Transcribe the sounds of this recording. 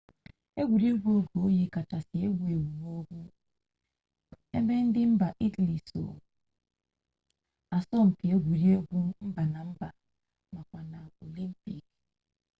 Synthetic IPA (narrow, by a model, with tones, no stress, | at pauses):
e˦ɡʷu˨ɾe˦ɡʷo˦˨ɡo˨o˦ji˦ka˨ta˨si˨e˦ɡʷu˦˨e˨wu˨mo˦ɡʷu˦ | e˦me˦n̩˦dɪ˦m̩˦ba˨ʔi˦tli˨so̰˨ | a˨sɔ˦m̩˨ki˨e˦ɡʷu˨ɾi˦e˦ɡʷu˦m̩˦ba˨na˨m̩˦ba˨ | ma˨kʷa˨na˨o˨li˦m˦pi˨k